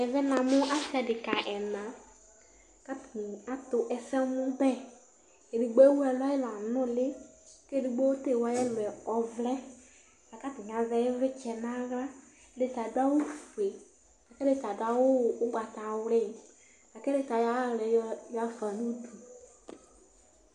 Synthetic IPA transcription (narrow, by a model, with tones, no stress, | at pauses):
ɛ˨vɛ˦nã˨mʊ˦ʔa˦fi˨˦a˨dɪ˨ka˨ʔɛ˨nã˨ | ka˦ta˦t̪ʊ˨ʔɛ˨sɛ˦nʊ̃˦bɛ˦ | e˨di˨ɡ͡be˦wu˦ɛ˨la˦jɛ˦la˨nʊ̃˦lɪ˦ke˦di˨ɡ͡be˦wo˦t̪e˦˨wa˦jɛ˦lɛ˨ɔ˨vlɛ˦ | a˨ka˦t̪ɪ˨ɲ˨ã˨vɛ˦je˦ve˦t͡ʃɛ˨nã˦ɣa˦ | ɖe˦t̪a˨da˦wo˦fu˨e˨ | a˨kɛ˦ɖe˦t̪a˨dʊ˦a˦wo˦˨wo˦ɡ͡ba˨t̪a˨wle˦ | a˨kɛ˦de˦t̪a˨ja˦lɛ˨ja˦fa˨nũ˦du˨